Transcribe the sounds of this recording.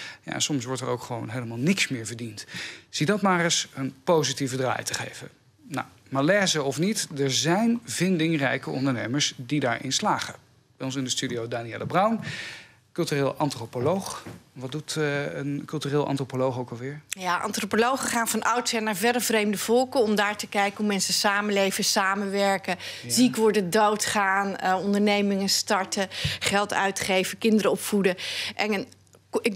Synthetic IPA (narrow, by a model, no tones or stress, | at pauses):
ja̰ɛ̰nsɔmsʋɔɹtəɹo̰wkχəʋo̰wnɦejləmaːlˠnɪksmɪːɹvəɹdintz̥idɑtmaːrəsənpowzitivədra̰ːjtəχḛjvə̰ | na̰w | malɛːzəɔfnitdɛɹzɛjnvɪndɪŋrɛjkəɔ̰ndəɹnejməɹsdidaːɹʔɪ̰nslaːχə | b̥ɛjɔns̬ɪndəstydiowdaːniɛ̰lˠəbrʌwn | kɵlˠtyreːlˠʔɑntropolowχʋɑdutənkɵlˠtyrɪːlˠʔɑ̰ntropolowχowkɑlˠʋɪːɹjaʔɑ̰ntropolowχəχaːnvɑnʌwtsɦɛnaːɹvɛdəvrejmdəv̥ɔlˠkəɔmdaːɹtəkɛjkənɦumɛnsəsaːmənlejvəsaːmənʋɛɹkəzikʋɔɹdədowtχaːnɔndəɹnejmɪŋəstɑɹtəχɛlˠtœ̰ɥtχejvəkɪndəɾəɔpfudəʔɛnən | ɪ